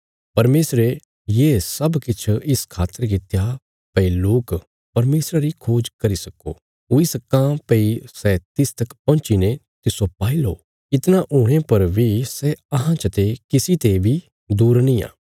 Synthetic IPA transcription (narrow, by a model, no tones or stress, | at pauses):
pɐɾmeːsɾe | jeːsɐbkɪt͡ʃʰɪskʰaːt̪ːəɾk̬ɪt̪ja | pɐiloːk | pɐɾmeːsɾaɾikʰoːd͡ʒkɐɾisɐko̰ | ʊisɐkãːpɐisɛt̪ɪst̪ɐkpɔ̃nt͡ʃine | t̪ɪsopaːilo̰ː | ɪt̪naʔuːɽ̃epɐɾbʱisɛɐɦãt͡ʃɐt̪ekɪsit̪ebʱi | d̪uːɾnĩːa̰ː